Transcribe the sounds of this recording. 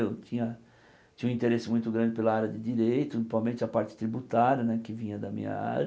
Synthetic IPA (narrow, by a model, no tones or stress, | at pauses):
ewt͡ʃĩɲɐ | t͡ʃĩɐũĩnt̪eɾesɪmũj̃t̪ʊɡɾɐ̃nd͡ʒɪpelɐaɾjɐd̪ɪd͡ʒiɾejt̪ʊpamẽnt͡ʃɪɐpaɾt͡ʃɪ̥t̪ɾibut̪aɾjɐnɛkɪvĩɲɐd̪ɐmḭ̃ɲɐ̰a̰ɾ